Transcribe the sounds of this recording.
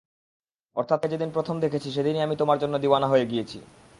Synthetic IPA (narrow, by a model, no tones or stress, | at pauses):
ɔ̰ɾt̪ʰat̪ed͡ʑed̪inpɾot̪ʰomd̪ekʰet͡ɕʰiʃ̬ed̪iniamit̪omaɾd͡ʑonːod̪iwanaɦoeɡijet͡ɕʰḭ